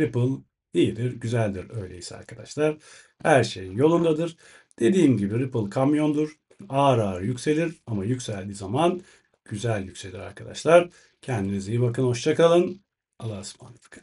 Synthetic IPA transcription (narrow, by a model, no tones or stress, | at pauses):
ɾipɯlˠ | ijid̪iɾɟyzælʲd̪iɾø̞jlʲe̞̰isɛa̰ɾkʰad̪aʃlˠaɾ̥ | hæɾʃe̞jinjo̞lˠund̪ad̪ɯɾ | d̪̥e̞d̪iːmɟibiɾipɯlˠkʰamjo̞nd̪uɾ̥ | aːɾaːɾɯjycse̞lʲiɾamajycʲsælʲd̪iːzaman | ɟ̥yzælʲjycse̞lʲiɾa̰ɾkʰad̪a̰ʃlˠaɾ̥ | cʰɛnd̪inizijibakɯnho̞ʃt͡ʃʰakalˠɯn | alˠasma̰nt̪ɯ̥kʰ